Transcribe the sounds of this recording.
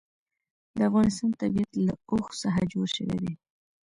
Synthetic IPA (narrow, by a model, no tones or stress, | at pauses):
d̪əafɣɑnɪst̪ɑnt̪abiat̪laoxsaɦad͡ʒoɽʃəwḛd̪e